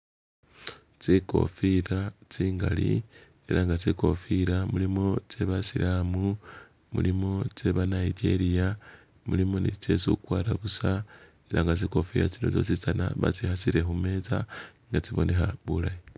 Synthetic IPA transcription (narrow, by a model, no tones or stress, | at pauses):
t͡siko̞̰fiɾat͡siːŋɡalḭ | e̞ɾaːŋɡat͡siko̞fiɾamulimo̞t͡se̞βasiɾʔamu | mulimo̞t͡se̞βanaid͡ʒe̞̰ɾija | mulimo̞nit͡ʃe̞sukwaːɾaβusa | e̞ɾʔaŋɡat͡siko̞fiɾa̰t͡sino̞t͡sot͡sisana̰βa̰t͡sixasiɾe̞xume̞zaŋɡat͡siβo̞ne̞xaβulaji